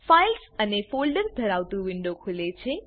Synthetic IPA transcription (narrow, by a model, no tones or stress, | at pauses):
fajlsənefolɖəɾd̪ʱəɾawt̪uʋiɳɖokʰulet͡sʰe